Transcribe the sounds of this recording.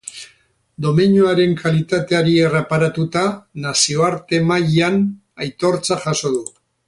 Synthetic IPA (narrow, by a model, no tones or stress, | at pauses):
d̪o̞meɲuaɾe̞ŋkʰalit̪at̪e̞aɾie̞re̞paɾat̪ut̪anasio̞aɾt̪e̞majan | ajt̪o̞ɾt͡saʝaso̞ðu